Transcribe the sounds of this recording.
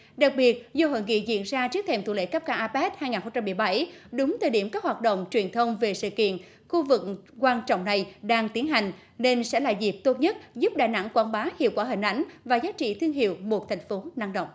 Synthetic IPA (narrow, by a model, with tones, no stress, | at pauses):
ɗa˨˩k̚ɓi˨˩ət̚zo˧ɦo̰˧˨ŋḭ˧˨zḭ˧˨ənzaː˧t͡ɕi˦˥ək̚t̪ʰe˧˩mt̪u˧˨lḛ˧˥ka˦˥p̚kaː˧˩ʔaː˧pɛ˦˥t̚haː˧jŋaː˨˩nxə˧ŋ͡mt͡ɕa˧mːɨ˨˩əjɓa˧˩jɗʊ˨˦ŋ͡mt̪əː˨˩ɗi˧˩əmkaː˦˥k̚waː˨˩t̚ɗə̰˧˨wŋ͡mt͡ɕwi˨˩ənt̪ʰə˧wŋ͡mve˨˩sɨ̰˧˨kḭ˧˨ən | xu˧vɨ˨˩k̚kwaː˧nt͡ɕɔ̰˧˨wŋ͡mna˨˩jɗaː˧ŋt̪i˨˦ənɦa˨˩jŋ̟ | ne˧nsɛ̰˧˥laː˨˩zi˨˩p̚t̪o˦˥t̚ɲə˦˥t̚zu˦˥p̚ɗaː˧˨˩jna̰˧˥ŋkwaː˧nɓaː˨˦hḭ˨˧˨əwkwaː˧˩ɦï˨˩ŋ̟ʔa˧˥jŋ̟vaː˨˩zaː˨˦t͡ɕḭ˧˨t̪ʰɨ˧əŋɦḭ˧˨əwmo˨˩t̚t̪ʰɛ˨˩jŋ̟fo˨˦na˧ŋɗə̰˧˨wŋ͡m